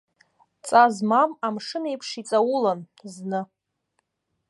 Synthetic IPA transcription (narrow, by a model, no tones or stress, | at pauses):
t͡sʼazmamamʂɨnaipʰʂit͡sʼawʊlan | znɨ